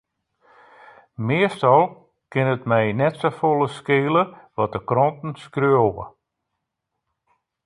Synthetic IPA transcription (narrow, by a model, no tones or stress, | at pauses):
mɪəstɔlˠ | kɪnətmɛjnɛtsofolˠəskeːləʋɔt̚dəkrɔntn̩skrøəoʋə̰